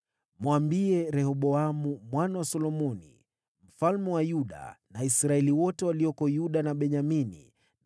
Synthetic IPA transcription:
mwambiɛɾɛhɔɓɔamumwanawasɔlɔmɔnḭ | m̩falmɛwajuɗa̰naisɾaɛliwɔtɛwaliɔkɔjuɗanaɓɛɲaminḭ

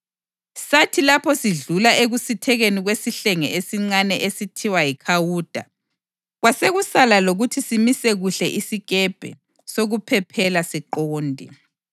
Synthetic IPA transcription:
satʰilapʰɔsiɮulaʔeɣusitʰɛɣeniɣwesiɬɛŋɛesiŋ͡ǀanɛʔesitʰiwajikʰawuːd̥ʱa̰ | ɣwaseɣusalaloɣutʰisimisɛɣuɬɛʔisiɣɛb̥ʱɛ̰ | soɣupʰɛpʰɛlasiǃoːndʱḭ

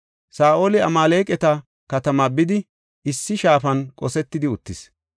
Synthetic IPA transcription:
saːʔoːlɪɐ̰maːleːkʼɛt̪ɐ | kɐt̪ɐmɐbɪd̪ɪ | ʔɪsːɪʃaːfɐnkʼɔsɛt̪ːɪd̪ɪʊt̪ːɪs

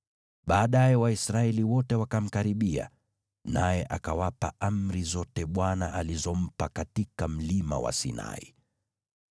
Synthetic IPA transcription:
ɓaːɗajɛwaisɾaɛliwɔtɛwakam̩kaɾiɓia̰ | najɛʔakawapaam̩ɾizɔtɛɓwanaʔalizɔm̩pakatikam̩lima̰wa̰sḭna̰ḭ

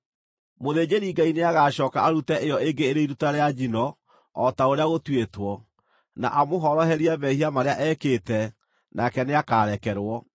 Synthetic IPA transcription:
moðeːd͡ʑeɾiːŋɡaineaɣaːɕɔːkaaɾutɛʔejɔeŋɡeːɾeiɾutaɾead͡ʑinɔ | ɔtaoɾeaɣotwetwɔ | na̰ʔamoɦɔɾɔhɛɾiaβɛhiamaɾeaʔɛːkeːtɛ | nakɛneakaːɾɛkɛɾwɔ

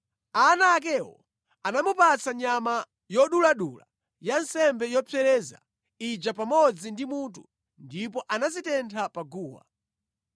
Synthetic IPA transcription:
anaːk̬ɛwɔ̰ | anamupat͡saɲama | jɔɗulaɗula̰ | jansɛmbɛjɔpʰɛɾɛːza̰ | id͡ʒapamɔd͡zindimut̬u | ndipɔʔanazitɛntʰapaɡuːwa̰

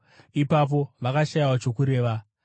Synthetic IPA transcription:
ipap̬o̞ʋakaʃajawat͡ʃo̞kuɾe̞ːʋa

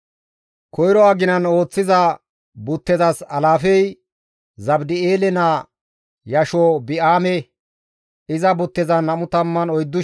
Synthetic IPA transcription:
kʰɔjɾɔaːɡɪnɐno̞ːt͡sːɪzɐ | bʊt̪ːɛzɐsɐlaːfɛj | zɐbd̪ɪeːlɛnaː | jɐʃobɪʔaːmɛ | ɪzɐbʊt̪ːɛzɐnːɐmʊt̪ɐmːɐnɔjd̪ːʊ

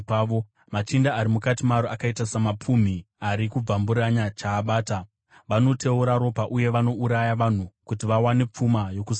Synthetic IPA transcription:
ʋo | mat͡ʃindaːɾimukatimaɾoakaitasamap͡fum̤i | aɾikub͡vambuɾaɲat͡ʃaːɓaːta | ʋano̞te̞uɾaɾo̞paʔuje̞ʋano̞uɾajaʋan̤ukutiʋawane̞p͡fumajo̞kus

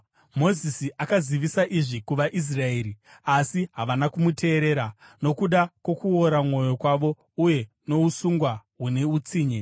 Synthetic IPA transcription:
mo̞zisiʔakaziʋisaʔiʐikuʋaʔis̬rae̞ːɾiasiɦaʋanakumute̞ːɾe̞ːɾano̞kuɗakwo̞kuoɾamŋo̞jo̞kwaʋo̞ | uje̞ | no̞usuŋɡwaɦune̞ut͡siːɲe

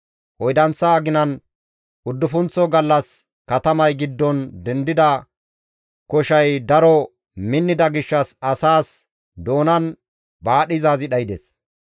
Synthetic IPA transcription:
ʔɔjd̪ɐnt͡sːɐːɡɪnɐn | ʔʊd̪ːʊfʊnt͡sːɔɡɐlːɐs | kɐt̪ɐmɐjɡɪd̪ːɔnd̪ɛnd̪ɪd̪ɐ | kɔʃɐjd̪ɐɾɔ | mɪnːɪd̪ɐɡɪʃːɐsɐsaːs | d̪o̞ːnɐn | baːɗɪzaːzɪɗɐjɪd̪es

